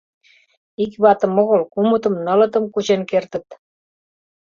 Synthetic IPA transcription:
ikβɑt̪ə̆moɣə̆lkumut̪ə̆mnɤ̆lɤ̆t̪əmkut͡ɕenkert̪ə̆t̪

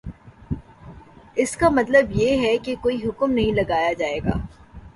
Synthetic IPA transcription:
ɪskamɐt̪ləbjeɦɛkekoːiɦʊkmnɐɦĩlɐɡaːjad͡ʒaːeːɡa̰ː

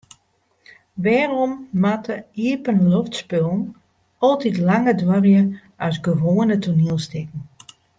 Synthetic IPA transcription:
ʋɛːdərɔmːatʰəiəpənloftspølˠn̩ | ɔlˠtitlaŋədʋœrjə | ʔœɥsɡəʋoːənətʰuniəlˠstɪkŋ̩

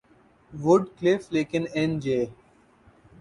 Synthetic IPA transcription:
ʋʊɖklɪfleːkɪnend͡ʒeː

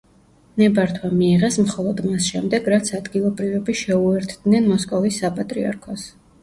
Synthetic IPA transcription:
nɛbaɾt̪ʰwamiːʁɛsmχɔlˠɔd̪masʃɛmd̪ɛɡɾat̪sʰad̪ɡilˠɔbɾivɛbiʃɛuɛɾt̪ʰd̪̥nɛnmɔskʼɔvisːapʼat̪ʼɾia̰ɾkʰɔs

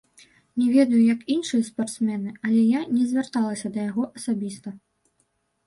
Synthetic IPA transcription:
nʲɛvʲɛd̪ɐjujɐkinʂɨjɐspart̪smʲɛnɨɐlʲɛjanʲɛzʲvʲart̪alˠɐsʲɐd̪ɐjaɣɔʔɐsabʲist̪ɐ

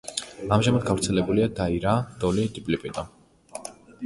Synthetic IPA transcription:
amʒamad̪̚ɡaɾt̪sʰɛlɛbuliad̪aiɾad̪̥ɔlid̪ipʼlipʼid̪ɔ

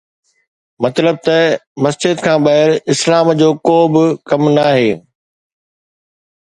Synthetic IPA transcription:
mɐt̪ləb̚t̪ɐmɐsd͡ʑɪd̪̚kʰãːɓɐɦɪlɪslaːmd͡ʑoːkoːbɪkɐmnaːɦeː

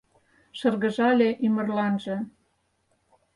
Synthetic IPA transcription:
ʃɤ̆rɣə̆ʒɑlʲeʔymə̆rlɑnʒɤ̆

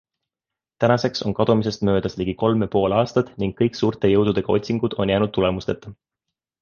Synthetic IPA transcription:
t̪ænɑse̞kso̞̰nkɑd̪̥umise̞st̪mø̞ːd̪̥ɑsliɡ̥iko̞lmɑpo̞ːlɑːst̪ɑt̪ˑniŋɡːɤjksuːrt̪e̞jɤwd̪̥ud̪̥e̞ɡ̥ɑo̞t̪ʲsiŋɡ̥ud̪̥o̞̰njæːnud̪̚t̪ːule̞must̪e̞t̪ːˑɑ

